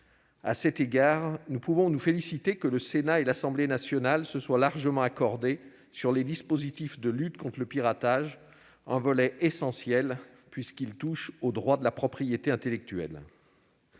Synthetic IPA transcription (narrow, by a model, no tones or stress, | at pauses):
a̰sɛt̪eɡaʁnupuvɔ̃nufelisit̪ekələsenaelasɑ̃blenasjɔnalsəswalaʁʒəmɑ̃akɔʁd̪e | syʁled̪ispozit̪ifd̪əlyt̪kɔ̃t̪χləpiʁat̪aʒ | ɛ̃vɔlɛʔesɑ̃sjɛl | pɥiskilt̪uʃod̪ʁwad̪əlapχɔpχijet̪eɛ̃t̪elɛk̚t̪ɥɛ̰l